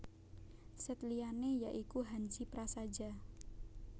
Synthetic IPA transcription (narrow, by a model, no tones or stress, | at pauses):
sɛt̪lianejaʔikuɦaɲt͡ʃipɾasad͡ʒa